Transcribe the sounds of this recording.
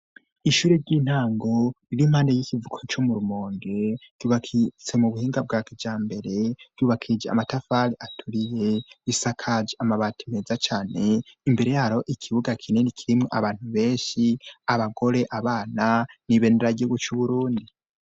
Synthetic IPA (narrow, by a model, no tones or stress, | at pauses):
iʃuːɾeɾɟiːn̥haːŋɡo̞ɾiɾimhaːndejikivukʰot͡ʃomuɾumoːŋɡe̞ɾɟ̥uːβakʰit͡se̞muβuhiːŋɡab̚ɡaːkid͡ʒaːmbe̞ɾe̞ɾɟuːβakʰid͡ʒea̰matafaɾiʔatʰuɾije̞βisakʰad͡ʒeamaβaːti̥meːzat͡ʃaːne̞imbe̞ɾe̞jaɾo̞ʔikʰiβuɡakʰinenikʰiɾimŋoʔa̰βaːn̥huβe̞ːnʃiaβaɡo̞ɾe̞ʔaβaːnaniβe̞ːndeɾaɟiuɡut͡ʃuβuɾuːndi